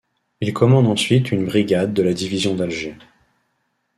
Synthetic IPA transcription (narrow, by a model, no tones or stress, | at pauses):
ilkɔmɑ̃d̪ɑ̃sɥit̪ʰynbʁiɡʲad̪ːəlad̪ivizjɔ̃d̪alʒe